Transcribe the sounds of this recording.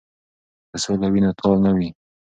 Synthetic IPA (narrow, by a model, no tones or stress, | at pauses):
d̪̥əsolawinat̪ʰɑlnawi